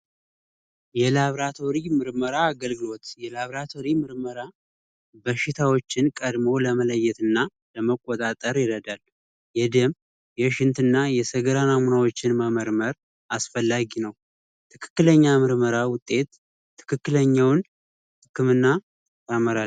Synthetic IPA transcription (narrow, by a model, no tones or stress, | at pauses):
jɛlaβɾat̪ʰo̞ɾimɨɾməɾaːɡəlɡɨlo̞t̪jɛlaβɾat̪ʰo̞ɾimɨɾməɾa | bəʃːɪt̪ʰawo̞t͡ʃːɪnkʼəd̪mo̞ləmələjːɛt̪ɨnːa | ləməkʼːot̪ʼat̪ʼəɾjɪɾəd̪al | jɛd̪əm | jɛʃɪnt̪ɨnːajɛsəɡəɾanamunawo̞t͡ʃːɪnməməɾməɾ | ʔasfəlːaɡinəw | t̪ʰɨkʰɨ̥kːɨləɲːamɨɾməɾawʊt̪ʼːe̞t̪ʰː | ɨ̥kʰɨkːɨləɲːawn | hɨkːɨmɨnːa | t̪ʰaməɾa